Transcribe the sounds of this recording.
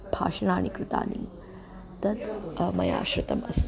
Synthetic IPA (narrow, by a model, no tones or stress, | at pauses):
b̥ʱa̰ːʂɐnaːɳ̃ikɾɪt̪a̰ːnḭ | t̪ɐt̪mɐja̰ːʃɾɪt̪ɐmɐs